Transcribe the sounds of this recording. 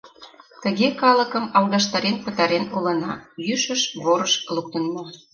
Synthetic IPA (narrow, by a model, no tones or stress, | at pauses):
t̪əɣekɑlə̆kəmɑlɣɑʃt̪ɑɾenpə̆t̪ɑɾenulɤ̆nɑ̰jyʃəʃβoɾəʃluk̚t̪ənːɑ